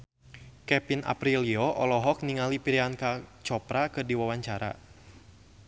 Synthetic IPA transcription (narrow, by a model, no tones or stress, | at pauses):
kɛpina̰pɾiliɔʔɔlɔɦɔk̚niŋalipiɾiankat͡ʃɔpɾakɨrdiwawaɲt͡ʃaɾa̰